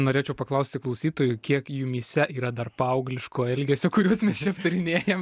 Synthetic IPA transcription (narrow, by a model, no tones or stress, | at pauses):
noːɾʲeːt͡ʃʲɛʊpɐklˠɐʊsʲt̪ʲɪklˠɐʊsʲiːt̪oːjʊkʲiɛkjumʲiːsʲɛʔiːɾɐd̪ɐrpɐɐʊɡlʲɪʃkoːɛlʲɡʲesʲoːkʊɾʲuɔsmʲɛst͡ʃʲɛpt̪ʊɾʲɪnʲeːjɛm